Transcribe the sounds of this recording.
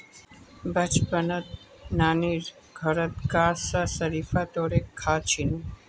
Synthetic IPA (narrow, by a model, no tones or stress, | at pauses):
bət͡ʃpənət̪̚ | naniɾ | ɡʱəɾət̪̚ɡasasəɾifat̪oɾekʰːat͡ʃʰinũ